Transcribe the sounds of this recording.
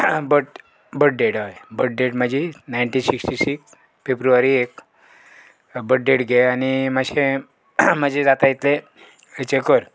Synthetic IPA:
bəʈ̚ | bəʈ̚ɖeɽajbəʈ̚ɖeʈməd͡ʑʱinajɳʈĩsiksʈisiks | febɾuʋaɾiek | bəʈ̚ɖeʈɡʱeaniməd͡ʑẽ | məd͡ʑʱẽd͡zat̪ajit̪le | ət͡ɕekəɾ

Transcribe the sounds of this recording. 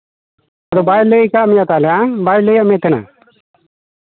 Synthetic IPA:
ad̪ɔbajləkamijat̪alɛãbajləjamɛ̃t̪ɛna̰

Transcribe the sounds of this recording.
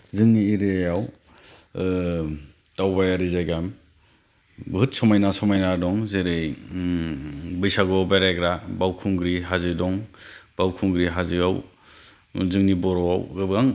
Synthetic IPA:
zɯŋniːɾejaw | tawbajaɾizajɡam | bɦɯt̚sɔmajnasɔmajnadɔŋzeɾɯj | bɯjsaɡɔbaɾaɡɾabawkʰuŋɡɾiɦazidɔŋb̥awkʰuŋɡɾiɦazijaw | zɯŋnibɔɾɔwawɡɯbaŋ

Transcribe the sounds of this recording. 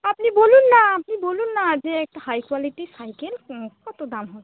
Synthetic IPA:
apnibolunːaːpnibolunːazɛːk̚tahajkwalitisajkɛlkɔtodamɦɔ

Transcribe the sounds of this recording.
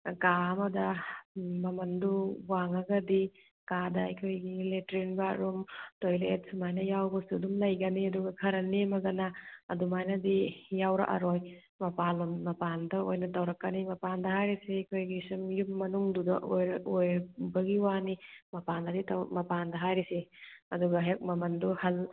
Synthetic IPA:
kaɐmɐdɐ | mɐmɐnduwaŋɐɡɐdi | kadɐɐ̰jkʰojɡiletɾinbaɾumtojlet̚sumajnɐjawbɐsudumlɐjɡɐniɐduɡɐkʰɐɾɐnimɐɡɐnɐɐ̰dumajnɐdijawɾɐ̰ʔɐ̰ɾoj | mɐpalummɐpandɐojnɐtɐwɾɐkːɐnimɐpandɐɦajɾisejkʰojɡisumjumːɐnuŋdudɐ̰ʔojɾɐojbɐɡiwanimɐpanɐditɐmɐpandɐɦajɾiseɐduɡɐɦek̚mɐmɐnduhɐl

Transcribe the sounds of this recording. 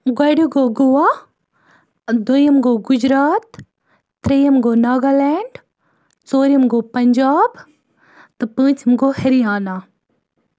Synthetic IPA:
ɡɐɽuɡoɡuʋaː | d̪ojəmɡoɡʊd͡ʒɾaːt̪ː | ɾejɐmɡoːnaːɡaːlɛːɳɖ | t͡soːɾijɐmɡopɐɲd͡ʒaːb | t̪ɨpə̃ːt͡ʃɐmɡohɐɾijaːna

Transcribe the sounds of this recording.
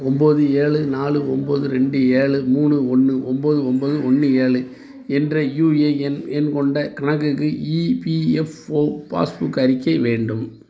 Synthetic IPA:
ɔmboːðɯeːɭɯnaːɭɯɔmboːðɯɾɛɳɖɯeːɭɯmuːnɯɔnːɯʔɔmboːðɯɔmboːðɯɔnːɯeːɭɯ | ɛndrɐjuːeɛnɛnkɔɳɖɐkɐɳɐk̬ːɯkːɯipiɛfoːpa̰ːsbʊkːɐɾɪkːɐʋeːɳɖɯm

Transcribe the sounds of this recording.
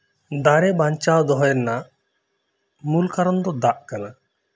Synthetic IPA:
d̪aɾɛbaɲt͡ʃawd̪ɔɦɔjɛɾna | mulkaɾɔnd̪ɔd̪aʔkana

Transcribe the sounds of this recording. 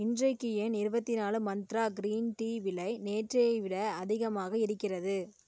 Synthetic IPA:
ɪndrɐɪkːɯjenɪɾɯbɐt̪ːɪnaːlɯmɐnt̪ɾaːɡɪɾiːnʈiːʋɪlɐɪneːʈrɐjɐɪʋɪɽɐɐðɪɣɐmaːɣɐɪɽɯkːɪrɐðɯ

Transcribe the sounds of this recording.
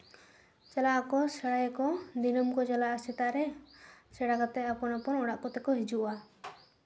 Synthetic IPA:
t͡ʃɛlaʔakɔsɛɽajɛkɔd̪inɔmkɔt͡ʃɛlaʔasit̪aʔɾɛsɛɽakat̪ɛapɔnapɔnɔɽ̃aʔkɔt̪ɛkɔɦid͡ʒuʔa

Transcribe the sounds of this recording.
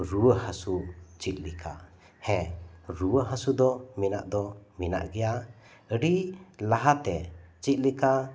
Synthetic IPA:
ɾuwəhasut͡ʃit̪̚lɛkʰa̰ | hɛ̃ɾuwəɦasud̪ɔmina̰ʔd̪ɔmina̰ʔɡɛja | əɽilaɦat̪ɛt͡ʃit̪̚lika

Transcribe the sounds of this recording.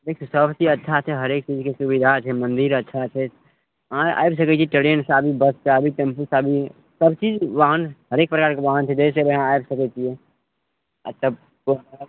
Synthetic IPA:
d̪ekʰisəbt͡ʃiɐtːʃʰat͡ʃʰeɦɐɾeːk̚t͡ʃiːzkesubid̪ʱat͡ʃʰemə̃nd̪iɾɐtːʃʰat͡ʃʰe | ãa̰ːjbs̬ɐkɛt͡ʃʰiʈəɽeənsaːbʱibəst͡ʃaːbʱit̪ɐ̃mpusaːbʱi | səbt͡ʃiːd͡ʒʋaɦãnɦɐɾeːk̚pɾəkaːɾkeʋaɦant͡ʃʰed͡ʒɛs̬eʋeɦãaːjbsɐkɛt͡ʃʰie | t̪əb | ko

